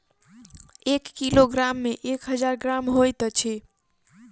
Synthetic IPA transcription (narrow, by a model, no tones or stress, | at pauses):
ekːiloɡɾamːeʔekɦəd͡ʒaɾɡɾamɦojt̪t͡ʃʰi